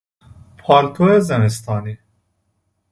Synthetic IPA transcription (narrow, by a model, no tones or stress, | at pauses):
pʰɑːɾt̪ʰoezɐmist̪ɑːni